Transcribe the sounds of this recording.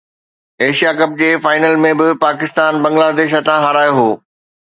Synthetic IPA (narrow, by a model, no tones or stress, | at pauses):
eːʃijakɐp̚d͡ʑeːfaːɪnəlmẽbɪpaːkɪst̪aːnbɐ̃ŋɡlaːd̪eːʃ̬ɐt̪ãɦɐɾaːjoɦoː